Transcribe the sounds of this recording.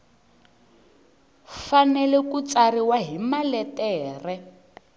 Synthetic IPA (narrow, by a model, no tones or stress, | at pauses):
fanɛlɛkut͡sariwaɦimalɛtɛːrɛ